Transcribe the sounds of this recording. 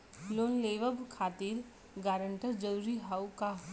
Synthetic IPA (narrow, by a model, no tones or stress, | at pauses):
loːnleːʋəbkʰaːt̪iɾ | ɡaːɾəɳʈəɾd͡ʒəɾuːɾiɦaːuka